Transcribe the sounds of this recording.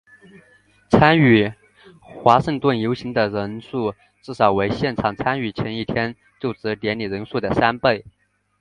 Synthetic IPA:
t͡sʰa˥ny˨˩ | xwa˧˥ʂə˥˧ŋt̪wə˥˩njo˧˥ʊɕi˧˥ŋd̪ə˨ɻə˧˥nʂu˥˩ | ʈ͡ʂɻ̩˥˩ʂɑ˨˩ʊwe˧˥ɪɕjɛ˥˩nʈ͡ʂʰɑ˨˩ŋt͡sʰa˥ny˨˩t͡ɕʰɥɛ˧˥ni˥˩t̪ʰjɛ˥n | t͡ɕjo˥˩ʊʈ͡ʂɻ̩˧˥t̪jɛ˧˥nli˨˩ɻə˧˥nʂu˥˩d̪ə˩sa˥npe˥˩ɪ

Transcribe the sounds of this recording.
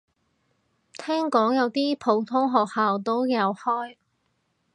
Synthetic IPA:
t̪ʰɛː˥ŋkɔː˨˥ŋjɐ˨˧wt̪iː˥pʰo˨˧˥wt̪ʰʊ˥ŋɦɔː˨k̚haː˨wt̪̬o˥wjɐ˨˧whɔː˥j

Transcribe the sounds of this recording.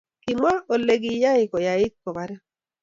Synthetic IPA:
kɪ˨ma˦o˨le˦ɡija˦ɪ˨ko˨ja˨ɪ˦t̪̚kɔ˨ma˨ɾɛ˦

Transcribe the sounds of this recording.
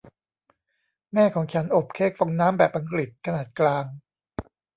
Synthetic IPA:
mɛː˥˩kʰɔː˩˦ŋt͡ɕʰa˦˥nʔo˨˩p̚kʰeː˦˥˩k̚fo˧ŋnaː˦˥mbɛː˨˩p̚ʔa˧ŋkɾi˨˩t̪̚kʰa˧naː˨˩t̪̚klaː˧ŋ

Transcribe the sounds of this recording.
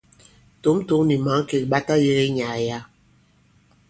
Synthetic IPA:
to˨˦mto˨˦ŋni˨ma˨˦ŋ˦ke˨ɓa˦ta˦je˦ɣe˦ɲa˨ja˦

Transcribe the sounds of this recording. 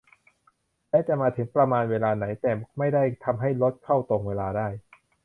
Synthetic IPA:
lɛː˦˥t͡ɕa˨˩ʔmaː˧t̪ʰɯ˩˦ŋpɾa˧maː˧nweː˧laː˧na˩˦˥jt̪ɛː˨˩ma˥˩jda˥˩jt̪ʰa˧mɦa˥˩jlo˦˥t̪̚kʰa˥˩wt̪o˨˩ŋweː˧laː˧daː˥˩j

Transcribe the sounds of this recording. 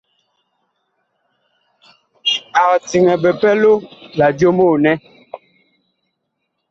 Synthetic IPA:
a˨ɣti˨ŋɛ˨bɛ˨pɛ˦lo˦la˨djo˦mo˦˨nɛ˦

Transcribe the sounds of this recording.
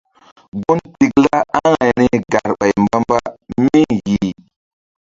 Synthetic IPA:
ɡu˦nti˨kla˦a˦ŋa˨jni˦ɡa˨ɾɓa˨jmba˦mba˦mi˦ji˨

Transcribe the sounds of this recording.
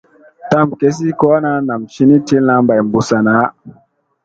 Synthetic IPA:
ta˦˨mke˦s̬i˦ko˦a˦na˦na˨mʃi˦ni˦ti˦lna˦mba˨jmbu˨sa˨na˨˦

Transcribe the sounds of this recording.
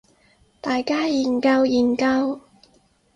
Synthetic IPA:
t̪aː˨˩jkaː˥jiː˨˩nkɐ˧wjiː˨˩nkɐ˧w

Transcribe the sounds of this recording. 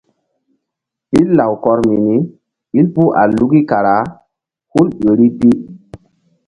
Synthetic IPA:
i˦lːa˨wkɔ˨ɾmi˨ni˦ | i˦lpu˦ʔa̰˨lu˦ɡi˦ka˨ɾa˨˦ | hu˦lɓe˨ɾi˦pi˦

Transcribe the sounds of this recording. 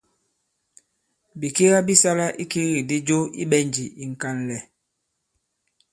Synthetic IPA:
bi˨ke˦ɣa˦bi˦sa˦la˦ʔi˦ki˦ɣi˨di˦d͡ʒo˦ḭ˦ɓɛ˦nd͡ʒi˨i˨ŋ̩˨ka˦n˨lɛ˨

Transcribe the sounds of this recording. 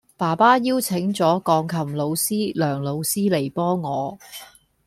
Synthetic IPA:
paː˨˩paː˥jiː˥wt͡sʰɪ˨˥ŋt͡sɔː˨˥kɔː˧ŋkʰɐ˨˩mlo˨˧wsiː˥lœː˨˩ŋlo˨˧wsiː˥le˨˩jpɔː˥ŋɔː˨˧

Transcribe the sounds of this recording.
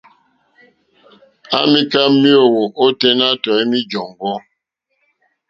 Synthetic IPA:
a̰˦mi˦ka˦mi˦o˦˨wo˨ʔo˦te˦na˦tɔ˨i˦mi˦d͡ʒɔ˨ŋɡɔ˦

